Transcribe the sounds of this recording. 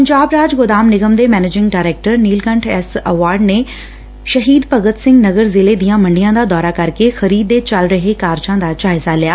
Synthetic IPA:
pəɲd͡ʒaːbɾaːd͡ʒɡʊd̪aːmnɪɡəmd̪eːmɛːneːd͡ʒɪ̃ŋɡɖaːɾɛːk̚ʈəɾniːlkə̃ɳʈʰɛsəʋaːɾɖneː | ʃəɦiːd̪pəɡət̪sɪ̃ŋɡnəɡəɾzɪleːd̪ijãːmə̃ɳɖijãːd̪aːd̪ɔːɾaːkəɾkexʰəɾiːd̪ːeːt͡ʃəlɾəɦeːkaːɾd͡ʒãːd̪aːd͡ʒaːɪzaːlɪjaː

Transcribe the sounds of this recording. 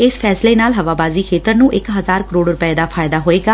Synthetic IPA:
ɪspʰɛːsleːnaːlɦəʋaːbaːziːkʰeːt̪əɾnũːʔɪkɦəzaːɾkəɾoːɖɾʊpəeːd̪aːpʰaːjɪd̪aːɦoːeːɡaː

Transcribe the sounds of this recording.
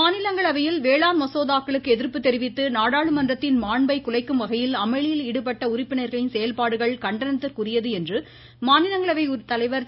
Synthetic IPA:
maːnɪlɐŋɡɐɭɐʋɐjɪlʋeːɭaːnmɐsoːðaːkːɐɭɯkːɯɛðɪɾpːɯt̪ːɛɾɪʋɪt̪ːɯnaːɽaːɭɯmɐndrɐt̪ːɪnmaːɳbɐɪkːʊɭɐɪkːɯmʋɐɣɐjɪlɐmɐɭɪjɪlɪɽɯp̬ɐʈːɐʊrɪpːɪnɐɪɾɣɐɭɪnsɛjɐlpaːɽɯɣɐɭkɐɳɖɐnɐt̪ːɯɾkʊrɪjɐðɯɛndrɯ | maːnɪlɐŋɡɐɭɐʋɐɪʊɾɯt̪ːɐlɐɪʋɐɾ

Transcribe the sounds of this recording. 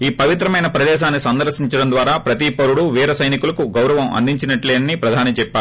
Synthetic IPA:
iːpɐʋit̪ɾɐmɐjnɐpɾɐd̪ɛːʃ̬aːnːisɐnd̪ɐɾʃiɲt͡ʃɐɽɐnd̪ʋaːɾaːpɾɐt̪ipɐɾuɽuʋiːɾɐsɐjnikulɐkuɡɐwɾɐʋɐmɐ̰nd̪iɲt͡ʃinɐʈleːnɐnipɾɐd̪ʱaːnit͡ʃɛpːaːu

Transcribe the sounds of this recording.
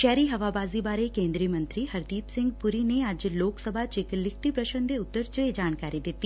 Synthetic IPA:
ʃɛːɾiɦɐʋabaːzibaːɾekẽːnd̪ɾiəmɐ̃nt̪ɾiɦɐɾd̪iːpsɪ̃ŋɡpuɾineəd͡ʒloːksəbʱat͡ʃɪklɪkʰt̪ipɾɐʃənd̪ʱeʊt̪ːəɾt͡ʃəed͡ʒaːñkaːɾid̪ɪt̪ːi

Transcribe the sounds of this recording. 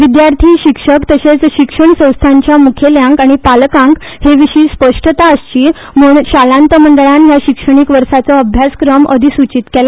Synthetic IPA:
ʋid̪jaɾt̪ʰiːɕikʂəkt̪əɕet͡sɕikʂəɳsə̃w̃st̪ʰaɲt͡ɕjamukʰjeljãŋkaɽ̃ipalkãŋkheʋiɕiːspəʂʈət̪aəst͡ɕiː | muːɳɕalãnt̪əməɳɖəɭanjaɕikʂəɳ̃ikʋəɾsat͡sɔəbʱjaskɾəmə̰d̪ʱisut͡ɕit̪kela

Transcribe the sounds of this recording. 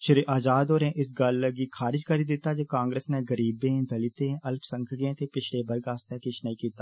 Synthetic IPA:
ʃəɾiːʔaːd͡ʒaːd̪oːɾɛ̃ːʔɪs̬ɡəlɡiːkʰaːɾɪd͡ʒkəɾiːd̪ɪt̪ːaːd͡ʒeːkãːŋɡɾeːsneːɡəɾiːbẽːd̪əlɪt̪ẽːəlpʰsə̃ŋkʰɡẽːt̪eːpɪt͡ʃʰleːbəɾɡaːst̪eːkɪt͡ʃʰnəĩːkiːt̪aː

